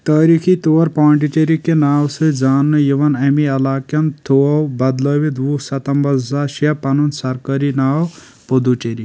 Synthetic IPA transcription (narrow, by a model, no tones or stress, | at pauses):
t̪ɐːɾiːkʰit̪oːɐɾpaːɳɖiʈeɾikenaːwsɨd͡zaːnːɨjiʋɐnɐmiɐlaːkjɐnt̪owbɐd̪ləʋid̪ʋusɐt̪ɐmbɐzaːʃiɐpɐnunsɐɾkɐɾinaːw | pod̪uʈeɾi